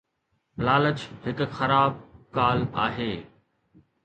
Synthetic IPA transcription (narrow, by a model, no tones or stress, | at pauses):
laːlət͡ɕhɪkxɐɾaːb̚kaːla̰ːɦeː